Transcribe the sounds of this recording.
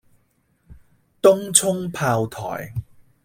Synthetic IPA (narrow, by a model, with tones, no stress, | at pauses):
t̪ʊ˥ŋt͡sʰʊ˥ŋpʰaː˧wt̪ʰɔ̰ː˨˩j